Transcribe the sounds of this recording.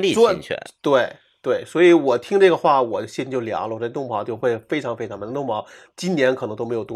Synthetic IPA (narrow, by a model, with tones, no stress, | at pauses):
li˥˨˥t͡ɕʰɛ̰˧t̪we˥˩ɪ | t̪we˥˩ɪswɔ˧˥i˧˥wɔ˨˩t̪ʰi˥ŋʈ͡ʂɤ˥˩ɡə˩xwa˥˩wɔ˨˩ɕjɛ˥˧n˥t͡ɕjo˥˩ʊljɑ̰˧˥ŋlə˧xɔ˥˩˥t̪ʊ˥˩ŋmɑ˧˥ʊt͡ɕjo˥˧ʊxwe˥˩ɪfe˥ɪʈ͡ʂʰɑ˧˥ŋfe˥ɪʈ͡ʂʰmə˧˥˧t̪ʊ˥˩ŋ˩pɑ˧˥ʊ | t͡ɕi˥nnjɛ˧˥nk̪ʰɤ˧˥ŋt̪o˥ʊme˧˥ɪjo˨˩t̪ʊ˥˧